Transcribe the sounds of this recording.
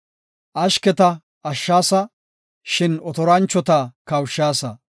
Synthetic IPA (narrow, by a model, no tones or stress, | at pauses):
ʔɐʃkɛt̪ɐ | ɐʃːaːsɐ | ʃɪnɔt̪ɔɾɐnt͡ʃːɔt̪ɐkɐwʃːaːsɐ